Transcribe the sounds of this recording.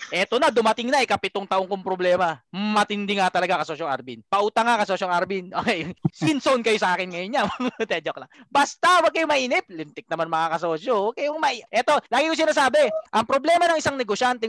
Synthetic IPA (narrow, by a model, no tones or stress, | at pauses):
ʔɛt̪o̞nɐd̪ʊmɐt̪ɪŋnɐʔɪkɐpɪt̪oŋt̪ɐʔoŋkʊŋpɾoblɛːmɐmɐt̪ɪnd̪ɪŋat̪ɐlɐɡakɐsoʃoŋɐ̰ɾbinpɐʔuːt̪ɐŋːakɐsoːʃoŋaɾbinʔoːkɛjsɪnsonkɐjosɐʔaːkɪnŋɐjonɲawɐt̪ɛd͡ʒoklaŋbast̪ɐwɐɡ̚kɐjomɐʔiːnɪp̚lɪnt̪ɪk̚nɐmanmɐŋakɐsoːʃowkɐjoŋmɐʔɛt̪o̞laːɡɪkos̬ɪnaːsaːbɛʔɐŋpɾoblɛːmɐnɐŋʔɪsaŋnɛɡoʃant̪ɛ